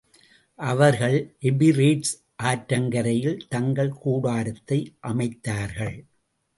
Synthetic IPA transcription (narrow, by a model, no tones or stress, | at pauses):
ʔɐʋɐɾɣɐɭɪbɪɾiːʈs | ʔaːʈɾɐŋɡɐɾɐjɪlt̪ɐŋɡɐɭkuːɽaːɾɐt̪ːɐɪʔɐmɐɪt̪ːaːɾɣɐɭ